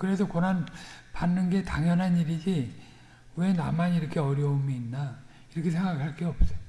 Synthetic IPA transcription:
kɯɾe̞s̬ʰʌkʌnanpanːɯnɡe̞taŋjʌnɦaniɾid͡ʑi | we̞na̰maniɾʌkʰe̞ʌɾjʌomiːnːa | iɾʌkʰe̞sʰe̞ŋɡaɡɯɭɦaɭk͈eʌp̚s͈ʌ

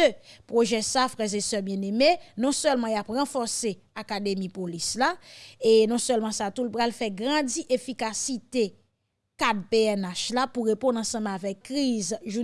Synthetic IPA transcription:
øpʁoʒɛsafʁɛʁzesœbjɛ̃nemenɔ̃sœlmɑ̃japʁɑ̃fɔʁse | akad̪emĩpolislaenɔ̃sœlmɑ̃sat̪ulpʁalfɛɡʁãd͡ziʔefikasit̪e | kad̚peɛnaʃlapuʁepɔ̃nɑ̃sɑ̃mavɛkːʁizʒu

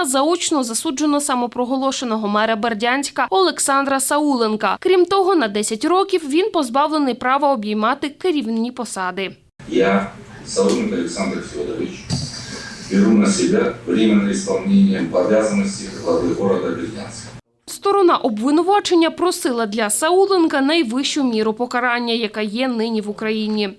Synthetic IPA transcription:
zɐut͡ʃnɔzɐsud͡ʒenɔsɐmɔpɾɔɦɔlˠɔʃenɔɦɔmɛɾɐbɐrdʲanʲsʲkɐɔlˠeksɑnd̪ɾɐsɐulˠenkɐkɾʲimt̪ɔɦɔnɐd̪ɛsʲɐtʲɾɔkʲiwʋʲinpɔzbɑwlˠenɪjpɾɑʋɐɔbjijmɑt̪ɪkɪɾʲiwnnʲipɔsɑd̪ɪ | ja | sɐulˠenkɐlʲeksand̪ɾɐsʲʋɔd̪ɔʋɪt͡ʃ | bʲiɾunɐsʲɪbʲɛʋɾʲimenɪispɐlˠnʲenʲjɐmpɐʋʲjazɐnɔsʲtʲiɦlˠɐʋɪɦɔɾɐd̪ɐbɾʲidʲa̰nʲsʲkɐ | st̪ɔɾɔnɑʔɔbʋɪnʊʋɑt͡ʃenʲːɐpɾɔsɪlˠɐd̪lʲɐsɐulˠenkɐnɐjʋɪʃt͡ʃʊmʲiɾʊpɔkɐɾɑnʲːɐjɐkɑjɛnɪnʲiʋʊkɾɐjinʲi

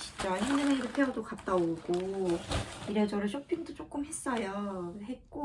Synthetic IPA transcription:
t͡ɕint͡ɕ͈aɦimnɯŋeiɾɯpʰeʌdokap̚t͈aoɡo | iɾʌd͡ʑʌɾɯɭɕʰopʰiŋdot͡ɕ͈ok͈ɯmɦe̞s͈ʌjoɦet̚k͈o

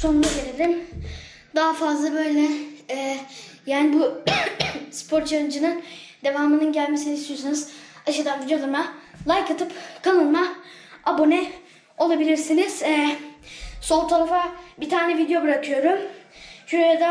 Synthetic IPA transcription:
so̞nund̪aɟelʲelʲim | d̪aɦafazlˠabø̞jlʲɛː | jaːnibu | spʰo̞ɾt͡ʃʰaɾɯnd͡ʒɯnɯnd̪e̞vaːmɯnɯnɟælʲmesinist̪ijosonuzaʃad̪anvid̪jolˠaɾmalˠajkʰat̪ʰɯpkʰanɯlˠmaabo̞nɛ | o̞lˠabilʲiɾsiniz̥ | so̞lˠt̪ʰaɾafabit̪ʰaːɾnɛvid̪jo̞bɯɾakʰɯjo̞ɾumʃuɾojad̪a

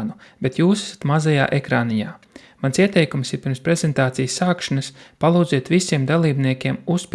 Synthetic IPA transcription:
nubet̪juːsḁsḁt̪mazaja̰ːʔekɾaːnija̰ː | mansiɛt̪ɛjkumsiɾpiɾmspɾɛzɛnt̪aːt̪sijəsːaːkʃanəspalˠuːd̪ziɛt̪ʋvisiɛmd̪alˠiːbniɛkʲiɛmuspʲ

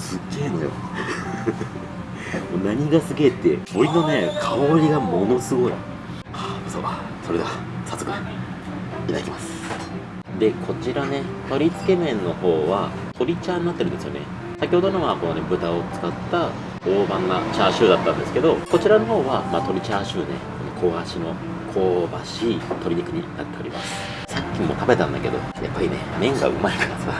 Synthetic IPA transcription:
sɨɡe̞ːno̞jo̰ | moːnaɲ̟iɡasɨɡe̞t̪ːe̞̰boɾinone̞kʰaoɾʲiɡamo̞no̞sɨɡo̞i | aso̰ | so̞ɾe̞d̪aa | sasokɯ̟ | it̪a̰kʲimasɨ̥ | d̪e̞kʰo̞t͡ɕiɾane̞t̪o̞ɾʲit͡sɨ̥ke̞mẽ̞nːo̞ho̞ːβa | t̪ʰo̞ɾʲit͡ɕaːɲ̟inat̪ːeɾɯ̟nd̪esɨjone̞̰ | sakʲiho̞d̪onoβako̞nebɯ̟t̪ao̞t͡sɨ̥kat̪ːa | o̞ːbãnːat͡ɕaːɕɨːd̪at̪ːãnd̪e̞sɨ̥ke̞d̪o̞ko̞t͡ɕiɾano̞ɦo̞ːβamaːt̪o̞ɾʲit͡ɕaːɕɨːne̞kono̞kʰo̞ɡaɕino̞ | kʰo̞ːbaɕit̪ʰo̞ɾʲiɲikɯ̟ɲ̟ina̰t̪ːe̞oɾʲima̰sɨ̥ | sakʲːimːo̞̰t̪abe̞t̪ã̰nd̪ake̞d̪o̞̰ja̰pːaɾʲine̞̰mẽ̞ŋɡa̰ɯ̟̰maekʰaɾasa

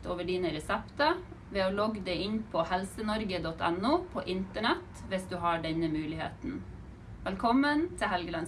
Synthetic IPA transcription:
t̪oːʋəɖiːnəɾɛsɛpt̪ə | ʋeːoːlɔɡd̪eɪɪɲpʰɔhɛlsənɔɾɡəd̪ɔt̪ʰɛnuːpʰo̰ːʔɪnt̪əɳɛt̪ʋɪsd̪ʉːɦɑːɖɛɲəmʉːlɪhḛːt̪n̩ | ʋɛlkʰɔmːənt̪ʰɪɦɛlɡəlɑn

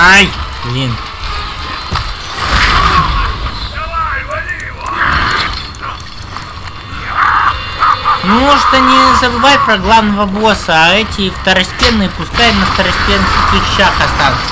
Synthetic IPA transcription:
aj | lʲin | mmoʐɨt̪ənʲɪzəbɨvajʲpɾɐɡlˠavnːəvɐbosəːɛtʲɪːft̪ɐɾɐsʲtʲenːɨəpʊskajnəft̪ɐɾɐsʲtʲensɨp̪ɪɕaxɐst̪ansɨ̥

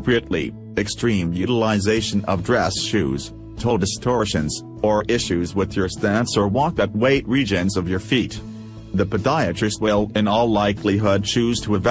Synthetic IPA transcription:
pɹiɨtˡlḭ | ɨkstɹ̥ĩmjʉɾəlˠɪzeɪʃɨ̃nʌ̰vdɹɛsʃʉ̰z̥ | tʰolˠdɨstʰɔɹʃɨ̃nz | ə˞ʔɪʃʉzwɪðjə˞stæ̃nsə˞wɔk̚ðɨt̚weɪt̚ɹid͡ʒɨ̃nzʌvjə˞fit̪ | ðɨpɨθaɪɨt͡ʃɹ̥ɨs̚wɪlˠɪ̃nɔlˠlaɪkʰliɦʊd̚t͡ʃʰʉz̥tʰəɨv

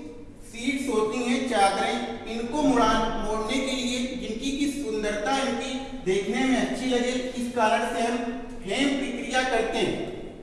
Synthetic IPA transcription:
siːʈsoːt̪iɦẽt͡ʃaːɡ̪ɾĩɪnkomʊɽaːnmoːɽnekelied͡ʒɪnkikisʊnd̪əɾt̪aɪnki | d̪eːkʰnemẽɐtːʃʰilɐd͡ʒeɪskaːɾəɳ̃seɦɐm | pʰeːmpɾəkɾɪjakɐɾt̪eɦɛ̃ː

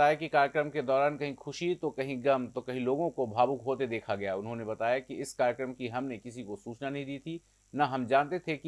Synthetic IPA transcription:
aːjakikaːɾjəkɾəmked̪ɔːɾaːnkɐɦĩxʊʃit̪okɐɦĩɡɐmt̪okɐɦĩloːɡõkobʱaːbukɦoːt̪ed̪eːkʰaɡɐjaʊnɦõnebɐt̪aːjakiɪskaːɾjəkɾəmkiɦɐmnekɪs̬ikosuːt͡ʃnanɐɦĩd̪iːt̪ʰi | naɦɐmd͡ʒãːnt̪et̪ʰek

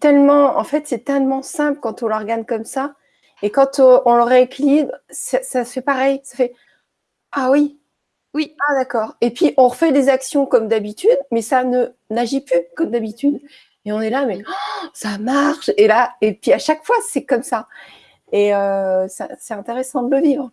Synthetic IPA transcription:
t̪ɛlmɑ̃ɑ̰̃fɛt̪sɛt̪ɛlmɑ̃sɛ̃pləkɑ̃t̪ɔ̃lɔʁɡankɔmsa | ekɑ̃t̪ɔ̃ləʁeekʲʰilibʁsɛsafɛpaʁɛjsḁfɛ | awi | wiad̪akɔːʁepɥiʔɔ̃ʁəfɛd̪ezaksjɔ̃kɔmd̪abit̪yd̪mɛsanə | naʒiplykɔmd̪abit̪yd̪ | eɔ̃nɛlamɛsamaʁʃelaepɥiaʃakfwasɛkɔmsa | eøsɛsɛt̪ɛ̃t̪eʁesɑ̃d̪ələvivʁ

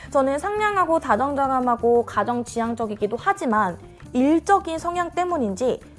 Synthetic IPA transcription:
t͡ɕʌnɯnsʰaŋɲaŋɦaɡotad͡ʑʌŋd͡ʑaɡamɦaɡokad͡ʑʌŋt͡ɕijaŋd͡ʑʌɡiɡidohad͡ʑiman | iɭt͡ɕ͈ʌɡinsʰʌŋjaŋt͈e̞muɲind͡ʑi

